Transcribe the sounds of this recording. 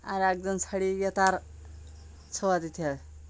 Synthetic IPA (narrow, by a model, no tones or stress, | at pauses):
aɾak̚d͡zənsaɽijət̪aɾ | t͡sʰəʋat̪it̪ʰa